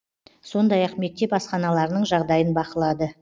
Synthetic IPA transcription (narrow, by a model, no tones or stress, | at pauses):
so̞nd̪ɑjɑqme̞k̚t̪ːe̞pɑsqɑnɑlˠɑɾənəɴʒɑʁd̪ɑjənbɑqəlˠɑd̪ə